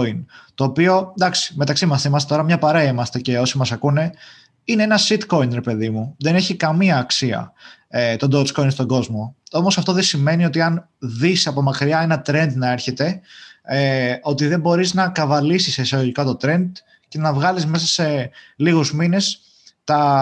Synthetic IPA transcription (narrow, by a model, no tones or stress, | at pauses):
int̪o̞ːpio̞d̪ɐksi̥me̞t̪ɐksimɐsθimɐst̪et̪o̞ɾɐmɲɐpɐɾeɐimɐst̪e̞ce̞o̞simɐsɐkune̞ | inee̞nɐsit̪ko̞inɾe̞pe̞ðimuðe̞ne̞çikɐmiɐːksiɐ̰ | et̪o̞nd̪osko̞inst̪oɡo̞zmo̞o̞mosɐft̪o̞ðesime̞nio̞t̪iɐn | ðisɐpo̞mɐkɾiɐe̞nɐt̪ɾe̞nd̪nɐe̞ɾçe̞t̪e̞eo̞t̪iðe̞bo̞ɾiznɐkɐvɐlisisisoɣoʝikɐt̪o̞t̪ɾe̞nd̪ | ce̞nɐvɣɐlizme̞sɐse̞liɣuzmine̞s | t̪ɐ